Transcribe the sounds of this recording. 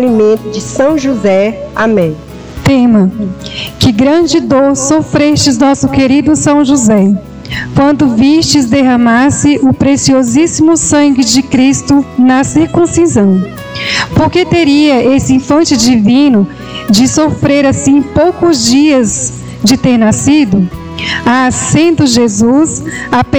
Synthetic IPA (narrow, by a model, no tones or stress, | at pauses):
limẽnt̪ʊd͡ʒɪsɐ̃w̃ʒuzɛamẽj̃ | t̪ẽmɐ | kɪɡɾɐ̃d͡ʒɪd̪oɾsofɾeʃt͡ʃɪznɔsʊkeɾid̪ʊsɐ̃w̃ʒuzɛ | kwɐ̃nd̪ʊvist͡ʃɪzd̪eɦɐ̃masɪʔʊpɾesiozisimʊsɐ̃ŋɡɪd͡ʒɪkɾist̪ʊnɐsiɾkũsizɐ̃w̃ | poɾket̪eɾiɐʔesɪĩfɐ̃t͡ʃɪd͡ʒivĩnʊ | d͡ʒɪsofɾeɾasĩpowkʊzd͡ʒiɐz | d͡ʒɪt̪eɾnasid̪ʊ | asẽd̪ʊʒezusap